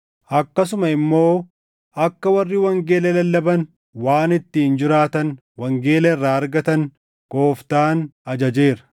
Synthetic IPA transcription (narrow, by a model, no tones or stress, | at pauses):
ʔɐkːɐs̬ʊmɐɪmːo̞ː | ʔɐkːɐwɐrːiwɐŋɡe̞ːlɛlɐlːɐbɐn | waːnɪt̪ːɪɪnd͡ʒɪɾaːt̪ɐn | wɐŋɡe̞ːlɛɪrːaːɐɾɡɐt̪ɐn | ɡ̥o̞ːft̪aːnɐd͡ʒɐd͡ʒe̞ːɾɐ̥